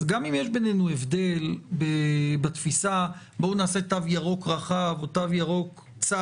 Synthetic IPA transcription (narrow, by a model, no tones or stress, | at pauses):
ɡamimjeʃbe̞nenuevd̪e̞lbebat̪fisa | bounaːse̞t̪avjaʁo̞kʁaχavot̪avjaʁo̞k | t͡sa